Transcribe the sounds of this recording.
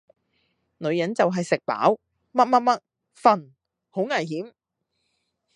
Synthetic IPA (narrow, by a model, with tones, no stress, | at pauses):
nɵ˨˧ɥjɐ˨˥nt͡sɐ˨wɦɐ˨jsɪ˨k̚pa̰ː˨˥w | mɐ˥t̚mɐ˥t̚mɐ˥t̚ | fɐ˨n | ho˨˥wŋaː˨˩jɦiː˨˥m